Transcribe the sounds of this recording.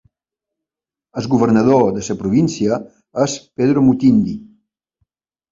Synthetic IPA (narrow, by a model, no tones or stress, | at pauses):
əzɣuβərnəð̞od̪əsəpɾuβinsiə | əspeðɾomut̪ind̪i